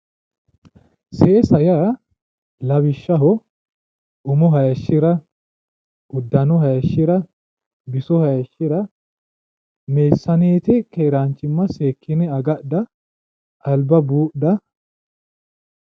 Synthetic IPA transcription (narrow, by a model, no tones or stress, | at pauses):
seːsɐjɐ | lɐbɪʃːɐɦɔ | ʊmɔɦɐjɐʃːɪɾɐ | ʔʊd̪ːɐnɔɦɐjɐʃːɪɾɐ | bɪsɔhɐjɐʃːɪɾɐ | meːsːɐneːt̪ɪkeːɾaːnt͡ʃːɪmːɐseːkʰːɪnɛɐɡɐdɐ | ʔːlbɐbuːdɐ